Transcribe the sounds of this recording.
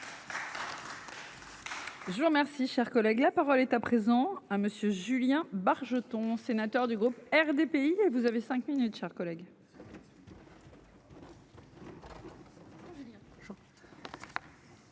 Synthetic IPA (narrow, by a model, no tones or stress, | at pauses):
ʒəvuʁəmɛʁsiʃɛʁkɔlɛɡlapaʁɔlɛt̪apχezɑ̃aməsjøʒyljɛ̃baʁʒət̪ɔ̃senat̪œʁd̪yɡʁupɛʁd̪epeievuzavesɛ̃kminyt̪ʃɛʁkɔlɛɡ